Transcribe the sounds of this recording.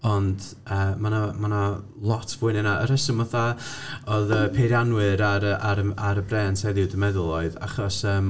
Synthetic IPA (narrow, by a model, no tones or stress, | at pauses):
ɔnd | əːmanamana | lˠɔtʰv̥ʊɨnɛnaəɾəsəmɔθaɔðəpʰeɾjanwɨɾaɾəʔaɾəaɾəbrɛːntʰajðɪwdəmɛðʊlˠɔɨða̰χɔsəːm